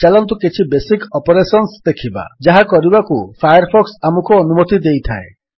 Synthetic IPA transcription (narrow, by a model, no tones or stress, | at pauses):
t͡ʃalɔnt̪ukit͡ʃʰibesikɔpoɾesɔnsd̪ekʰiba̰d͡ʒaɦakɔɾibakupʰajɔɾpʰɔksamukuonumot̪id̪ejt̪ʰa̰e